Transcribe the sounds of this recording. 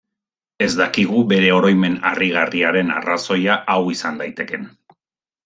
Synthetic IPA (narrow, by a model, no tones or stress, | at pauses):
e̞zd̪akiɣube̞ɾe̞o̞ɾo̞jme̞na̰riɣariaɾe̞na̰raso̞jaʔawisand̪ajt̪e̞ke̞n